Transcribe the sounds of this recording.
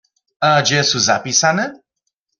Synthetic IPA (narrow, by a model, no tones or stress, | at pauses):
ad͡ʒeɛsuzapisanə